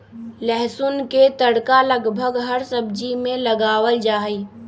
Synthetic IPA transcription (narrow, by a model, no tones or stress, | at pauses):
lɛɦsʊnket̪əɽkaləɡbʱəɡɦəɾsəbd͡ʒimẽləɡaːwəld͡ʒaːiː